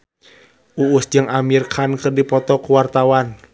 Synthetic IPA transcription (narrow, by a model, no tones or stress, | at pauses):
ʔuusd͡ʒɨŋʔamirkʰankɨrdipɔt̪ɔkuwart̪awan